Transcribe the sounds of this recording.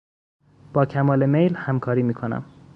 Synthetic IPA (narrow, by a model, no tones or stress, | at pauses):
b̥ɒːcʰæmɒːlemejlhæmkʰɒːɾiːmiːkʰonæ̰m